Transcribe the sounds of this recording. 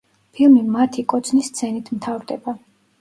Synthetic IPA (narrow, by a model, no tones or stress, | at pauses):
pʰilˠmimat̪ʰikʼɔt̪sʰnisːt̪sʰɛnit̪ʰmt̪ʰavɾd̪ɛba